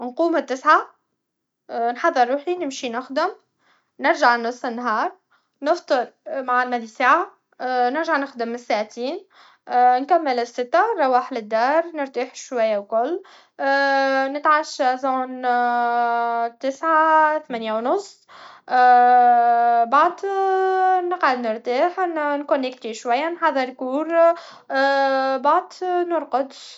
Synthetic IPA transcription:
nquːmɪt̪ːɪsʕa | nħɑðˤːɨɾˤːuːħinɪmʃinɪxd̪ɪm | nɪɾʒaʕnʊsˤːɪnːɦɑːɾˤ | nɪft̪ˤɨɾmaʕalmæd̪isaʕa | nɪɾʒaʕnɪxd̪ɪmːɪsːaʕt̪iːn | nkæmːɪlɪsːɪt̪ːarˤːɑwaːħlɪd̪ːɑːɾˤnɪɾt̪iːħʃwæjːawkʊlː | nɪt̪ʕaʃæzoːn | t̪ːɪsʕaθmænjawnʊsˤː | baʕd̪ | nəqʕad̪nɪɾt̪aːħnnkʊnːɪkt̪iʃwajːænħɑðˤːəɾkuːɾ | baʕd̪nʊɾqʊd̪

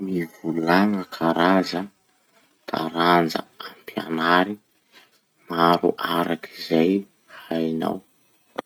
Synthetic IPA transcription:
mivulaŋəkʰaɾazə | t̪a̰ɾand͡zə̰ampja̰naɾi | maɾṵʔaɾakizaj | hajna̰w

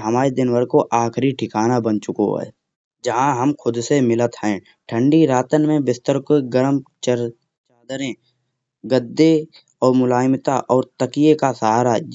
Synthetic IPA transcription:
ɦəmaːɾed̪ɪnwəɾkoʔaːkɾiʈʰɪkaːnabənt͡ʃʊko̰ɦɛ̰ː | d͡ʒɐɦãɦəmkʰʊd̪semɪlət̪hɛ̃ː | ʈʰə̃ɳɖiɾaːt̪ənmẽbɪst̪əɾkoɡəɾmt͡ʃə | t͡ʃaːd̪əɾẽ | ɡəd̪ːe | ɔːɾmʊlaːjmt̪aʔɔːɾt̪əkijekasaɦaːɾa

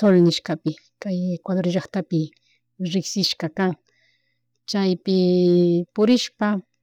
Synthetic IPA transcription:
t̪olnɪʃkapɪ | kajekwad̪oɾʒɑχt̪apɪ | ɾɪksɪʃkakaŋ | t͡ʃajpɪ | pʊɾɪʃpa

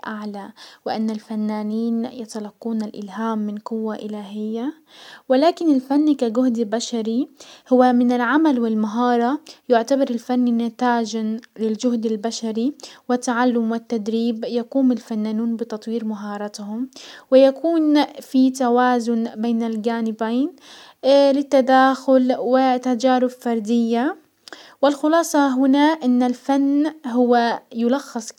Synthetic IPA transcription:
ʔaʕlawɪʔanːalfanːaːniːnjɪt̪alɑqːuːnalʔɪ̰lɦaːmːɪnqʊwːaʔɪlaːɦɪjːa | wɪlaːkɪnɪlfanːikaɡʊhd̪baʃaɾihʊwːamɪnɪlʕamalwɪlmaɦɑːɾˤɑjʊʕt̪abɑɾˤɪlfanːinat̪aːd͡ʒalɪld͡ʒʊhd̪albaʃaɾiwɪt̪ːaʕalːʊmwɪt̪ːad̪ɾiːbjakuːmɪlfanːanuːnbɪt̪ɑt̪ˤwiːɾmaɦɑːɾˤɑt̪hʊmwɪjakuːnfit̪awaːzʊnbeːnɪlɡaːnɪbaːn | lɪt̪ːad̪aːxʊlwɪt̪ad͡ʒaːɾʊbfɑɾˤd̪ɪjːa | wɪlxʊlɑːsˤɑɦʊnaʔɪnːalfanːɦʊwːajʊlɑxːɨsˤ

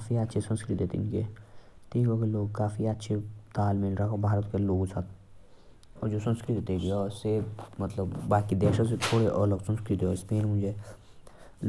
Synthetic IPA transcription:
aːfiətːʃʰesə̃nskɾɪt̪d̪eːt̪ḛɪ̰nke | t̪ʰiːkɔɡeloːɡ̚kaːfiətːʃʰet̪aːlmɪlɾakabʱaːɾət̪keloːɡsat̪ | ɔːɾd͡ʒoːsə̃nskɾɪt̪t̪eɡeɔːsemɐt̪ləbːaːkid̪ɛːʃas̬et̪ʰoːɽeʔɔːləksə̃nskɾɪt̪eɔɪspeːnmʊ̃d͡ʒʱe

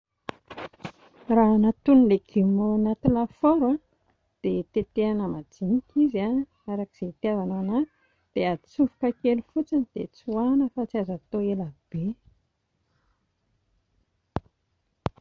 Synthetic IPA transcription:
ranat̪unleɡimonat̪ilafoɾwa | d̪̥et̪et̪eanəmadinikiza | aɾaki̥z̥eit̪iavanana | d̪̥eait͡sufu̥kəkelufut͡sinid̪̥et͡suanəfat͡siazat̪oelab̥e

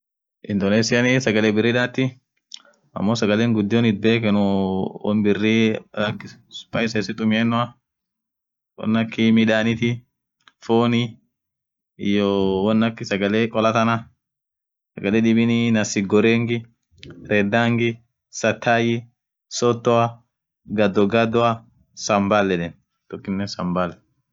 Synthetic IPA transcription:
ʔɪnd̪oneːsɪjɐnɪsɐɡɐleːbɪrːɪᶑaːt̪ːɪ | ɐ̰mːoːsɐɡɐleːŋɡʊd̪ːɪɔnɪt̪̚be̞ːkɛnʊwɔ̰nbɪrːɪɐkːɪspɐjsɛsɪt̪ʼʊmɪɛnːʊɐ | wɔ̰nːɐkːɪmɪᶑaːnɪt̪ɪ | foːni | ɪjɔwɔnːɐkːɪsɐɡɐlekʼɔlɐt̪ɐnɐ | sɐɡɐleːɗɪbɪnɪnɐsɪɡɔɾeːŋɡɪ | ɾɛd̪ːaːŋɡɪ | sɐt̪ʰːaːjɪ | sɔt̪ːɔɐ | ɡɐd̪ːɔɡɐd̪ːɔɐ | sɐmbalːɛᶑɛn | t̪ɔkːɪnːɛsɐmbalɛ

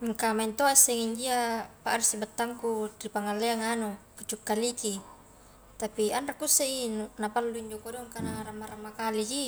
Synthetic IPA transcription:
ŋkamaint̪oasːɛŋiɲd͡ʒiapaʔɾisibat̪ːaŋkudripaŋalːeaŋanokut͡ʃukːaliki | t̪apianrakusːeinunapalːuiɲd͡ʒokodoŋkanaramːaɾamːakaliki

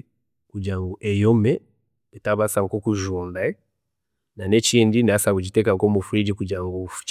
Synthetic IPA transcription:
kud͡ʒaŋɡuʔɛjɔmɛ | ɛtaβasaŋkɔkuʒundaɛ | nanɛt͡ʃindinasaɡud͡ʒitɛkaŋkɔmufuɾid͡ʒikud͡ʒaŋɡufu̥t͡ʃ

